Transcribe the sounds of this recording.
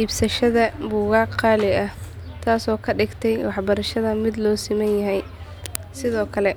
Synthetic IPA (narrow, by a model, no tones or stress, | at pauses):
iːbsɐʃɐðɐbuːɣɑqɑːlɪɐ | t̪ʰaːsɔːkʰɐɖɪɡt̪ʰɛjwɑħbɐɾɐʃɐðɐmɪd̪lɔːsɪmɛnjɐɦɛj | sɪðɔːkʰɐlɛ